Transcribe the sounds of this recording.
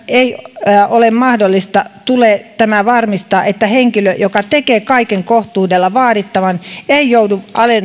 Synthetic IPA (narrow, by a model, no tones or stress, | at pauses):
ʔeiʔolemmɑhdolːist̪ɑt̪uleːt̪æmæʋɑrmist̪ɑːʔet̪ːæheŋkiløjokɑt̪ekeːkɑikeŋkoht̪uːdelːɑʋɑːdit̪ːɑʋɑneijouduʔɑlen